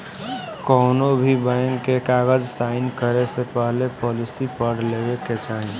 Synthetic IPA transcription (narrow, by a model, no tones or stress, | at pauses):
kɔːnobʱibəŋkekaːɡəd͡ʒsaːɪnkəɾesepəɦlepɔːlɪsipəɽlebeket͡ʃaːɦi